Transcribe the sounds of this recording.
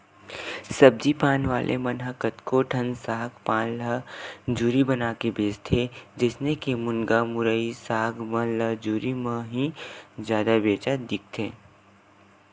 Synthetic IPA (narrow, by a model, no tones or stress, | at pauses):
sɐb̚d͡ʒipaːnʋa̰ːlʔḛmənɦəkət̪koʈʰə̃nsaːɦɡpaːnləd͡ʒuːɾibənaːkebeːst̪ʰed͡ʒɪsnekemʊnɡamʊɾəisaːɦɡmə̃ləd͡ʒuːɾimə̃ɦĩzjaːd̪abeːt͡ʃad̪ɪk̚ʰt̪ʰeː